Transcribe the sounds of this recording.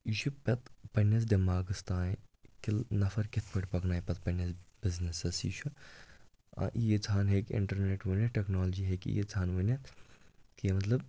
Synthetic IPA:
iʃʰupʲɐt̪pɐnːɐs̬d̪imaːɡɨst̪ãːkilnɐfɐɾkɪt̪ʰpɐʈʲpɐknaːjpʲɐt̪̚pɐnɐsb̥ɪznesɐsḭt͡ʃʰu | ɐ̰ʔijet͡sʰaːnɦeːkʲɪ̰ɳʈɐɾneːʈʋunʲɐʈeknaːld͡ʒiːɦeːkḭjet͡sʰaːnʋunʲɐt̪keːmɐt̪lɐb̚

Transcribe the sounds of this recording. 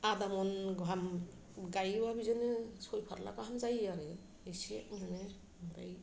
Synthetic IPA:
ad̪amɔnɡɦam | ɡajwabizɔnɯsɔjpʰaɾla̰kaɦamzajaɾɯ | esezane | mɔɾa̰j

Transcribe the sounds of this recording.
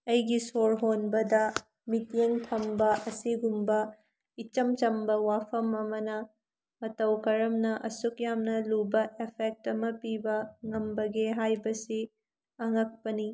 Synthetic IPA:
ɐjɡisoɾɦonbɐdɐ | mitjeŋtʰɐmbɐʔɐsiɡumbɐ | it͡ʃɐmt͡ʃɐmbɐwapʰɐmɐmɐnɐ | mɐtɐwkɐɾɐmnɐʔɐsukjamnɐlubɐʔepʰek̚tɐmɐpibɐŋɐmbɐɡeɦajbɐsi | ɐŋɐk̚pɐni

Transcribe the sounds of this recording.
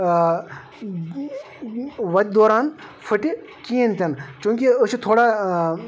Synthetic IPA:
ʋɐt̪̚ʲd̪oːɾaːnfʰəʈi | kiːenʲt̪ʲɐnkũːŋkiəsut̪ʰoːɽaː

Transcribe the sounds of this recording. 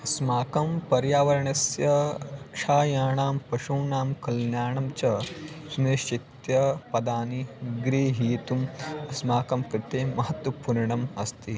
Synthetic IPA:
ɐsmaːkɐmpɐɾjaːʋɐɾɐɳɐsjɐkʂʰaːjaːɳaːmpɐʃuːɳaːmkɐlnjaːɳɐmt͡ʃɐsuneːʃt͡ʃit̪jɐpɐd̪aːniɡɾiːɦiːt̪umɐsmaːkɐmkɾɪt̪eːmɐɦɐt̪wɐpuɾɳɐmɐst̪i

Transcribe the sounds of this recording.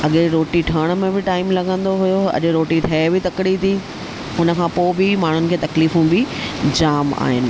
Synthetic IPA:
ɐɠeɾoːʈiʈʰɐɽ̃̆mẽbɪʈaːɪmlɐɠə̃nd̪oɦʊjoɐ̰ʄɾoːʈiʈʰɐebɪt̪ɐkɪɽit̪ʰi | ʊnə̆kʰãːpoːbɪmaːɳ̤ʊnɪ̆kʰeːt̪ɐkliːfũbɪd͡ʑaːma̰ːɦɪnɪ̆

